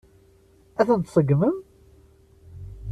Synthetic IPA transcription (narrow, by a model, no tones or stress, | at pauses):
æθənt̪sˤəɡːməm